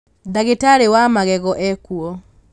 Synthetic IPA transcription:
daɣetaɾewamaɣɛɣɔʔɛkuɔ

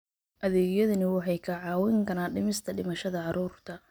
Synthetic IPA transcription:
ʔɐðɛːɣjɐðɐnɪwɑħɑjkʰɐʕɑːwɪŋkʰɐnaːɖɪmɪst̪ʰɐɖɪmɐʃɐðɐʕɑɾuːrt̪ʰɐ

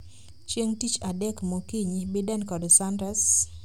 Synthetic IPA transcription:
t͡ʃjeŋtit͡ʃadɛkmokiɲibedɛnkɔdɔsandɾɛs

